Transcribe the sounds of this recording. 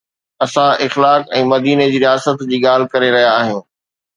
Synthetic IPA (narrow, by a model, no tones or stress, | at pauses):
ɐsãʔɪxlaːkɛ̃ːmɐd̪iːned͡ʑiːɾijaːsət̪d͡ʑiːɠaːl̤ɪkɐɾeɾɐɦijaːɦjũː